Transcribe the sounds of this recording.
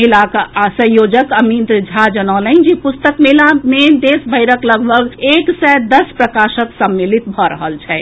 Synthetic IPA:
ilakasə̃j̃joːd͡ʒəkəmid̪ɾd͡ʒʱad͡ʒənɔːlə̃d͡ʒipʊst̪əkmelamẽd̪eːsbʱəɪɾəkləɡbʱəɡeːksɛd̪əspɾəkaːʃəksəmːilit̪̚bʱɔɾə̰ɦəlt͡ʃʰɛː

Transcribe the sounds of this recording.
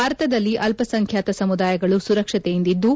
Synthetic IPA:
aːɾɐt̪ɐd̪ɐlːiʔɐlpɐsɐŋkʰjaːt̪ɐsɐmud̪aːjɐɡɐɭusuɾɐkʂɐt̪ejind̪id̪ːu

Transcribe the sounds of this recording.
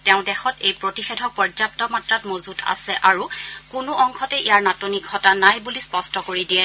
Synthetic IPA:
tɛʊ̃dɛxɔtejpɹotixedʱɔpɔɹzap̚tɔmatɹatmozutʰa̰sɛʔaɹukʊnʊʔɔŋxɔtɛʔijaɹnatonikːɔtanajbulispɔstɔkoɹidijɛ

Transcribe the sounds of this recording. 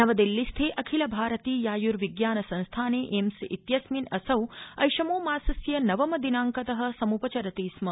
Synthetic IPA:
nɐʋɐd̪ilːist̪ʰeːʔɐkʰilɐbʱaːɾɐt̪iːjaːjuɾʋiɡjaːnɐsɐ̃nst̪ʰaːneːʔemsʔit̪jɐsminɐsɐwɐjʃɐmoːmaːsɐsjɐnɐʋɐmɐd̪inaːŋkɐt̪ɐɦɐ̆sɐmupɐt͡ʃɐɾɐt̪iːsmɐ

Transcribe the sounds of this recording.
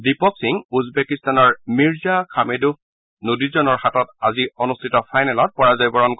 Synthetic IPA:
dipɔksiŋuzbɛkistanɔɹmiɹzakʰamedup̚ʰ | nodizɔnɔɹhatɔtaziɔnustʰitɔpʰajnɛlɔt̚pɔɹazajbɔɹɔnk

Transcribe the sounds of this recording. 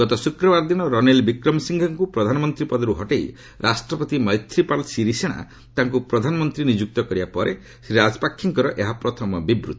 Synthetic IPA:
ɡɔt̪ɔsukɾɔbaɾd̪iñɔɾɔnelbikɾɔmsiŋɡʱɔŋkupɾɔd̪ʱanɔmɔnt̪ɾipɔd̪ɔɾuɦɔʈej | ɾʔasʈɾɔpɔt̪imɔjt̪ʰɾipalsiɾiseɽ̃a̰ | t̪aŋk̬upɾɔd̪ʱanɔmɔnt̪ɾinid͡ʒuk̚t̪ɔkɔɾibapɔɾʔe | sɾiɾad͡ʒɔpakʰːiŋkɔɾɔʔeɦapɾɔt̪ʰɔmɔbibɾṵt̪ɔ

